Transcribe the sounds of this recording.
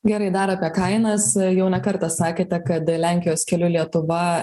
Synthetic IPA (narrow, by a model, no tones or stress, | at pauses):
ɡʲɛɾɐɪd̪ɑːɾɐːpʲiɛkɐɪnɐsjɛʊnʲɛkɐɾt̪ɐsɑːkʲeːt̪ʲɛkɐt̪lʲæŋʲkʲɪjoːskʲɛlʲuːlʲiɛt̪ʊʋɐ